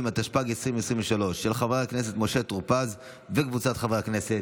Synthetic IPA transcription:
mat̪aʃpaɡesʁivesʁimveʃalo̞ʃːelχaveaknese̞t̪mo̞ʃe̞t̪ʁpaz | vekvut͡sat̪χavekneset

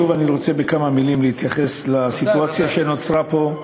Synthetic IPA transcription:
uvaniʁo̞t͡se̞bekamamilimlehit̪jaχe̞slasit̪uat͡sjaʃeno̞t͡sʁapo̞

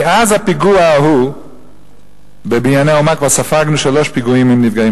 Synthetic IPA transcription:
eʔazhapiɡuahu | bebinjaneomakvasafaɡnuʃaloʃpiɡuimimnivɡai

